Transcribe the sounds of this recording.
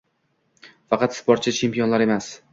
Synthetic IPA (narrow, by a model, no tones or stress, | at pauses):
fɑqɑt̪ɪ̥spɒɾt̪̚t͡ʃʰɪt͡ʃʰe̞mpijonlaɾe̞mas